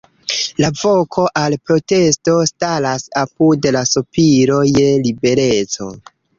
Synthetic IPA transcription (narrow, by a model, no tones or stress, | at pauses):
lavo̞kʰo̞ʔalpɾo̞te̞sto̞stalasapudlasupiɾo̞je̞libe̞ɾe̞t͡so̞̰